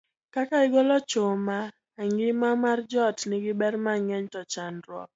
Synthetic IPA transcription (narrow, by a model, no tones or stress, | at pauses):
kakaɪɡɔlɔt͡ʃomaː | ŋɡɪmamard͡ʒɔtnɪɡɪbɛrmaŋɛɲtɔt͡ʃanɾwɔ̰k̚